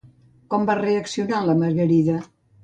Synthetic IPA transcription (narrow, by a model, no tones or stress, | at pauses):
kɔmbareəksiunaləməɾɣəɾiðə